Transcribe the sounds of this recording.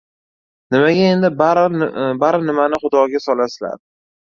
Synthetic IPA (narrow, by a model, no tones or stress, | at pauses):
nɪmaɡʲae̞nd̪ɪbaɾbaɾnɪmanɪχʊd̪ɒɡʲasɒlasɪla̰ɾ